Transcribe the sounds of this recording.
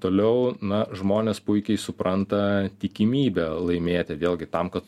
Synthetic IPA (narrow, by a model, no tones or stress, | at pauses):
t̪oːlʲɛʊnɐʒmoːnʲeːspʊɪkʲɛɪsʊpɾɐnt̪ɐt̪ʲɪkʲɪmʲiːbʲɛlˠɐɪmʲeːt̪ʲɪʋʲeːlʲɡʲɪt̪ɐmkɐt̪